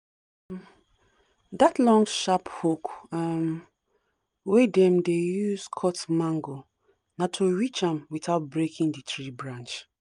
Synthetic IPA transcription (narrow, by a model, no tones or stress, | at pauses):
m | datlɔ̃ŋʃaphokam | wedɛ̃mdejuskʰɔtmãŋɡo | natʰoɹit͡ʃãmwiθaʊt̚bɹekʰĩŋdɨtɹibɹãnt͡ʃ